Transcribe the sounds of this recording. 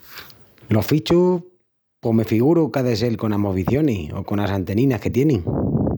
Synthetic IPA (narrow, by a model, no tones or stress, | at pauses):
lo̞hfit͡ʃu | pome̞fiɣuɾukaðes̬e̞lko̞namoβiθjo̞nio̰ko̞nasant̪e̞nĩnake̞t̪je̞niŋ